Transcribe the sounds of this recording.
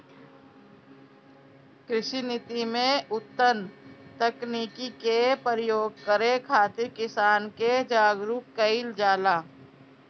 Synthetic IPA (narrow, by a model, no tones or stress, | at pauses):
kɾɪʃinɪt̪imẽʊt̪ːənt̪əkniːkikepəɾjoːɡ̚kəɾekʰaːt̪ɪɾkɪsaːnked͡ʒaːɡɾukkəɪld͡ʒaːlaː